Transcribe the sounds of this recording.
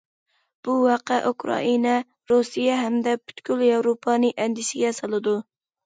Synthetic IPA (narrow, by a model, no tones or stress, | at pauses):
b̥uhɑqæʔukʰɾɑ̰ʔinɛ | ɾusijɛɦɛmd̪ɛbʰy̥t̪kʲyljɑwɾopʰɑnɨʔɛnd̪ɪʃɪɡʲɛsɑlˠɨd̪u